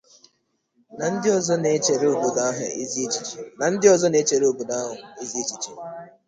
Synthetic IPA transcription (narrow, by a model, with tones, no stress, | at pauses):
na˨n̩˦dɪ˦ɔ˨zɔ˦ne˨˦t͡ʃe˨ɾe˦o˨bu˨da˦ɦʊ̰˨e˦zi˦t͡ʃi̥˨t͡ʃna˨n̩˦dɪ˦ɔ˨zɔ˦ne˨˦t͡ʃe˨ɾe˦o˨bo˨da˦ɦʊ˨e˦zi˦e˦t͡ʃi˨t͡ʃi˨˦